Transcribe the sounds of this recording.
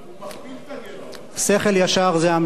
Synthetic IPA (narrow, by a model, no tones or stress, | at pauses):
se̞χeljaʃaʁzeam